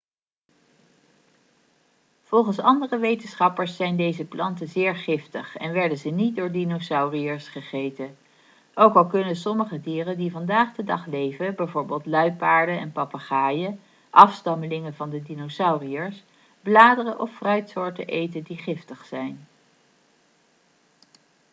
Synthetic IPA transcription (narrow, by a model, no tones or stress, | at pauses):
v̥ɔlˠχənsɑndərəʋejtənsχɑpəɹsːɛjndejzəplɑ̰ntəzɪːɹχɪftəχɛ̰nʋɛɹdənzənit̚dʊːɹdinosɑwriəɹsχəχejtə | owkɑlˠkɵnənsɔməχədiːrəndivɑndaːχdədɑχlejvəbɛjvʊːɹbɪːlˠtlœɥpaːɹdənɛnpɑpaχaːjə | ʔɑfstɑməlɪŋəvɑndədinosɑwriəɹs | blaːdərəʔɔfːrœɥtsʊːɹtə̰ʔejtəndiχɪftəχsɛjn